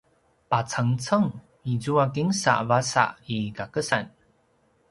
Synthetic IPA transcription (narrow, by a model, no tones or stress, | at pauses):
pat͡saŋt͡səŋ | izuakiŋsa̰ʔvasa̰ʔiɡakəsan